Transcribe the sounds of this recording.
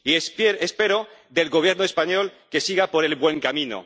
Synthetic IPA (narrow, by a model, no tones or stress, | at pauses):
isespeɾod̪e̞lɣo̞β̞je̞ɾnoespaɲo̞lke̞siɣapo̞ɾe̞lbwe̞ŋkamĩno̰